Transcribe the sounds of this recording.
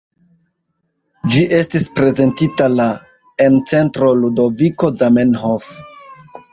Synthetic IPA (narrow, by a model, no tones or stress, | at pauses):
d͡ʒiʔe̞stispɾe̞ze̞ntitala | ent͡se̞ntɾo̞ludo̞viko̞zamenɦof